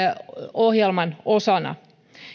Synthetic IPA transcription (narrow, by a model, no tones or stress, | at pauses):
ohjelmɑnosɑnɑ̰